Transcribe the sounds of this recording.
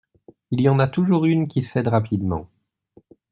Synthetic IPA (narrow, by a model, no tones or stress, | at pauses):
iljɑ̃nat̪uʒuʁynkʲisɛd̪ʁapid̪mɑ̰̃